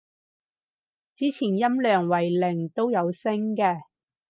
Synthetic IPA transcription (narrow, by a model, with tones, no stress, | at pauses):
t͡siː˨˥t͡sʰiː˨˩njɐ˥mlœː˨˩ŋwɐ˨˩jlɪ˨˩ŋt̪o˥wjɐ˨˧wsɪ˥ŋkɛː˧